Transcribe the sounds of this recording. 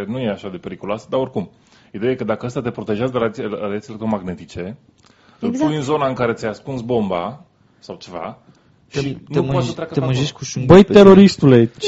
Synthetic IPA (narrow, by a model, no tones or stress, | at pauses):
enuje̞aʃad̪e̞pe̞ɾikuloasəd̪ao̞rkum | id̪eajekəd̪akəast̪at̪e̞pɾo̞t̪e̞ʒazəɾalɾad̪at̪ilekt̪ɾo̞maɡne̞t̪it͡ʃe̞ | ɨlpujɨnzo̞naɨŋkaɾe̞t̪jajaskuntsbo̞mba | sawt͡ʃe̞va̰ | ʃinupoasət̪ɾʲakəeaɨʒeʃubəj̪eɾo̞ɾist̪ule̞